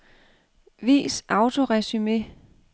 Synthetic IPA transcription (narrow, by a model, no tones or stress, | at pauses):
ʋḭːsʔɑ̈ʊt͡sʰo̝ʁɛsyme